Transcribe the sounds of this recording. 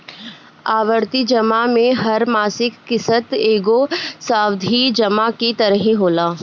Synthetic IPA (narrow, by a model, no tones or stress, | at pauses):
aːʋəɾt̪id͡ʒɐmamẽɦɐɾmaːsɪkːɪsət̪eːɡosaːwd̪ʱid͡ʒɐmakit̪ɐɾəɦĩɦoːlaː